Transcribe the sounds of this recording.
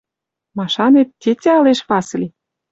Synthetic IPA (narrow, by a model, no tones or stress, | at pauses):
mɑʃɑnet̪ːʲetʲeɑleʃpɑs̆lʲi